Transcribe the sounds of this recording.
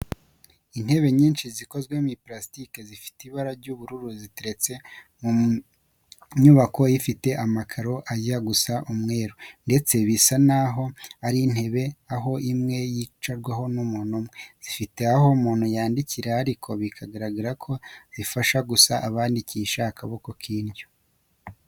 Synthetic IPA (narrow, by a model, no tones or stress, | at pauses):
in̥he̞βe̞ɲiːnʃiziko̞zɡwemiplastikezifi̥tiβaɾaɾɟuːβuɾuɾuziteɾe̞t͡se̞mu | ɲuβako̞jifite̞ʔamakʰaɾo̞ʔajaɡusaʔumŋe̞ːɾonde̞t͡se̞βisanaɦo̞aɾin̥he̞βe̞aɦo̞ʔimŋe̞jit͡ʃaɾɡwaho̞numuːnumŋez̥ifite̞aho̞muːnhujaːndiciɾehaɾikʰo̞βikʰaɡaɾaɡiɾakʰo̞βifaʃaɡusaʔaβaːndiciʃakʰaβokokʰiːnɟo